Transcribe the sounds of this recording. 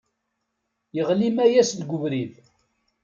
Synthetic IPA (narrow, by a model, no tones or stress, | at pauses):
jəʁlimæjæsðɡʊvɾið